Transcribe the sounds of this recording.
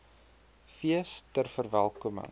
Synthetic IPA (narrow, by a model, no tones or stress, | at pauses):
fiəstərfərvælˠkumə̰ŋ